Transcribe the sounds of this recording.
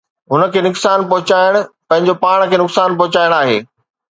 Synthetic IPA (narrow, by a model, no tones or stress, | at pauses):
ɦʊnə̆kʰeːnʊksaːnp̬ɐɦʊt͡ɕaːɪɽ̃pɐ̃ɦɪ̃ɲd͡ʑopaːɽ̃kʰeːnʊksaːnpɐɦʊt͡ɕaːɪɽ̃aːɦḛː